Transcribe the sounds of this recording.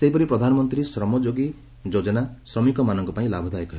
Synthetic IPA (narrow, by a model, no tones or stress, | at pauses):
seɦipɔɾipɾɔd̪ʱanɔmɔnt̪ɾisɾɔmɔd͡ʒoɡi | d͡ʒod͡ʒɔnasɾɔmikɔmanɔŋkɔpaĩlabʱɔd̪ʱajkɔɾ